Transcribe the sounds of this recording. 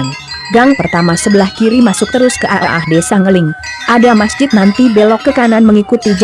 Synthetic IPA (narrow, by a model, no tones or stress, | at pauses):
n | ɡaŋpərt̪amasəbəlahkiɾimasʊk̚t̪əɾʊskəʔaʔaʔahdesaŋəlɪŋ | ʔadamasd͡ʒɪt̪̚nant̪ibelɔkːəkananməŋikut̪id͡ʒ